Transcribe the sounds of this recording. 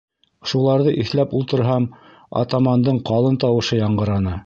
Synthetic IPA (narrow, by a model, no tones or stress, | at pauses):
ʃulˠɑɾðɤʔiθlæpulˠt̪ɤ̆ɾɦɑm | ɑ̰t̪amɑnd̪ɤɴqɑlˠɤnt̪ɑwɤ̆ʃɤjɑɴɢɤ̆ɾɑnɤ